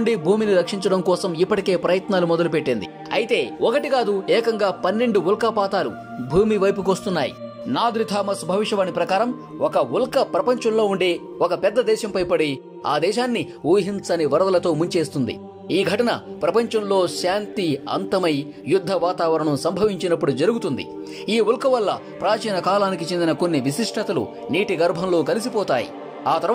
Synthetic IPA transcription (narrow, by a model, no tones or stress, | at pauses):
ɳɖibʱuːminiɾɐkʂiɲt͡ʃɐɽɐmkɔːsɐmipːɐʈike̞ːpɾɐjɐt̪naːlumɔd̪ɐlupeʈːind̪ḭ | ɐ̰jit̪e̞ːɔkɐʈikaːd̪uɛːkɐŋɡaːpɐnːe̞ɳɖuulkaːpaːt̪aːlṵ | bʱuːmiʋɐjpuk̬ost̪unːaːjḭ | naːd̪ɾit̪ʰaːmɐsbʱɐʋiʂɐʋɐnipɾɐkaːɾɐm | ɔkɐulkɐpɾɐpɐɲt͡ʃɐmlo̞ːuɳɖe̞ː | ɔkɐpɛd̪ːɐd̪ɛːʃɐmpɐjpɐɽi | a̰ːd̪ɛːʃaːnːi | uːɦint͡sɐniʋɐɾɐd̪ɐlɐt̪o̞ːmuɲt͡ʃe̞ːst̪und̪ḭ | iːɡʱɐʈɐnɐ̰pɾɐpɐɲt͡ʃɐmlo̞ːʃaːnt̪iɐ̰nt̪ɐmɐj | jud̪ʱːɐʋaːt̪aːʋɐɾɐɳusɐmbʱɐʋiɲt͡ʃinɐpːuɽud͡ʒɐɾuɡut̪und̪ḭ | iːulkɐʋɐlːɐ | pɾaːt͡ʃiːnɐkaːlaːnik̬it͡ʃend̪inɐko̞nːiʋisiʂʈʰɐt̪ɐlṵ | niːʈiɡɐɾbʱɐmlo̞ːkɐlis̬ipɔːt̪aːjḭ | aːt̪ɐɾ